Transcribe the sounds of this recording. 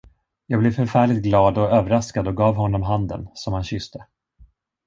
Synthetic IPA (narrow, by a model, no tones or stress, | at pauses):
jɑːɡblɛvfœɾfæːɭɪt̪̚ɡlɑːd̪ɔøːvəɾaskad̪ɔɡɑːvɦɔnːɔmɦand̪ə̰nsɔmhanɕʏst̪ə